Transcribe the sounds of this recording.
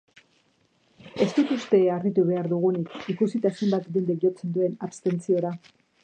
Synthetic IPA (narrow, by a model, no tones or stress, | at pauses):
e̞st̪ut̪ust̪e̞arit̪uβe̞aɾðuɣ̞unikikusit̪aesembat̪dind̪eʝo̞t͡se̞nd̪ue̞napst̪e̞nt͡sio̞ɾa